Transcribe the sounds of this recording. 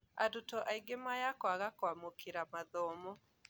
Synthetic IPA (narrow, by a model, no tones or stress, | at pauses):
a̰dotɔʔaiɡemajakwaɣakwamokeɾamaðɔmɔ